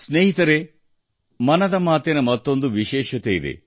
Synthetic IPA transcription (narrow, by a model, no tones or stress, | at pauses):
sneːɦit̪ɐɾe | mɐnɐd̪ɐmaːt̪enɐmɐt̪ːo̞nd̪uʋiʃɛːʃɐt̪ejid̪e̞̰